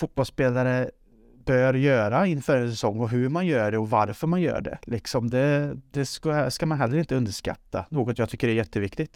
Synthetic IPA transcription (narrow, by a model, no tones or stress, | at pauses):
fʊt̪̚bɔlspeːlaɾə | b̥œːɾjøːɾaɪnːfœːɾɛnsɛsɔŋːɔɦɵɾmanjœːɖɛɔvaɾfœɾmanjœ̰ːɖɛ̰lɪksɔmd̪ɛd̪̥ɛskskamanɦɛlːəɾɪnt̪əɵnd̪əʂka̰t̪ːa̰noːɡɔt̪jɑːɡt̪ʰʏkːəɖɛæɾjɛt̪ːəvɪkt̪ɪt̪